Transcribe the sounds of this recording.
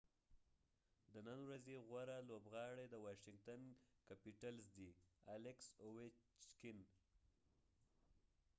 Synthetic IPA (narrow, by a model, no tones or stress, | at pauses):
d̪ənənwɾazeɣwaɾalobɣɑɽed̪əwɑʃɪŋɡt̪ankapiʈalzd̪ialɪksowet͡ʃkɪn